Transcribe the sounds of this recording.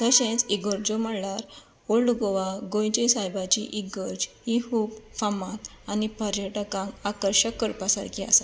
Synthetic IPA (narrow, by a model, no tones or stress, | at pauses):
t̪əɕẽt͡siɡəɾd͡ʑomaɽlaɾ | oɭɖɡɔʋaɡõjd͡ʑesajbat͡ɕiʔiɡəɾd͡ʑ | ihupfamat̪ | anipəɾjəʈəkãŋɡakəɾɕəkːəɾpasaɾkʰia̰sa